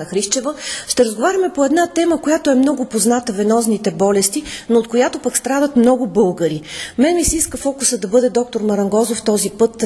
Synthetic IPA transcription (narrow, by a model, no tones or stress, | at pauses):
nɐxɾiʃt͡ʃɛvəʃt̪ɛɾəzɡovaɾʲɐmɛpoɛd̪nat̪ɛməkojat̪oɛmnɔɡʊpoznat̪əvɛnɔznit̪ɛbɔlɛst̪inoːt̪̚kojat̪opəkst̪ɾad̪ət̪mnɔɡʊbɤlˠɡəɾimɛnmisɛiskəfɔkusəd̪ɐbɤd̪ɛd̪ɔk̚t̪oɾmɐɾɐŋɡɔzoft̪ɔzipɤt̪